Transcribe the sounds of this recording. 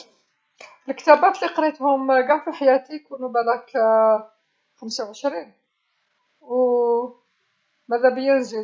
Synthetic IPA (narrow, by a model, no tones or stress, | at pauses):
əlkt̪æbæt̪liqɾit̪hʊmɡæmfiħajæt̪ijkunubaʕd̪æk | xəmsawʕəʃɾin | w | mæd̪æbəjənzəl